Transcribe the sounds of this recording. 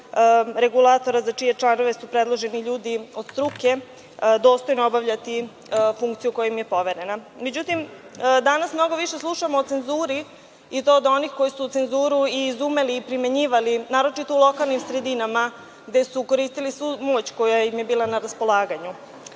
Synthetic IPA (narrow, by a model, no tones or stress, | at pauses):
ɾe̞ɡulˠat̪o̞ɾazat͡ʂije̞t͡ʂlˠano̞ʋe̞supɾe̞d̪lˠo̞ʒe̞niʎuːd̪io̞d̪st̪ɾuke̞ | d̪o̞ːst̪o̞jnoobaʋʎat̪i | fuŋkt̪sijuko̞jaimje̞po̞ʋe̞ɾe̞na | me̞d͡ʑut̪im | d̪anasmno̞ɡo̞ʋiʃe̞slˠuʃamoːt̪se̞nzuːɾi | it̪o̞ːd̪o̞nixko̞jisuːt̪se̞nzuːɾuiːzume̞liːpɾimeɲiːʋalinaːɾo̞t͡ʃit̪o̞ulo̞kalˠnimsɾe̞d̪inama | ɡd̪e̞suko̞ɾiːst̪ilisʋumo̞ːt͡ɕkojaimjebiːlanaɾaspo̞lˠaːɡaɲu